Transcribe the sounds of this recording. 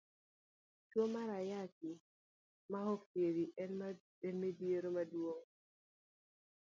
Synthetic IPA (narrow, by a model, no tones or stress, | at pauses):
t͡ʃwomaɾajaki | mahɔktjeɾiʔɛn | ɛnmedjeɾomadwoŋ